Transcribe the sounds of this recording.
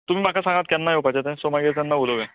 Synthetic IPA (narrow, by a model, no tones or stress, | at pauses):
t̪um̤iːm̤akʰasãŋɡat̪̚kjanːajopat͡ɕat̪ɛ̃somaɡet̪janːaboloʋɛ̃